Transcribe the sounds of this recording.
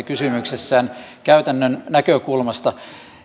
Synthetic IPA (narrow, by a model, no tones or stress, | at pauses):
kysymyksesːæːnkæyt̪ænːønnækøkulmɑst̪ɑ